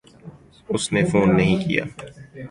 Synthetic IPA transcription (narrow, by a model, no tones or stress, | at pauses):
ʊsnefoːnːɐɦĩkḭja̰ː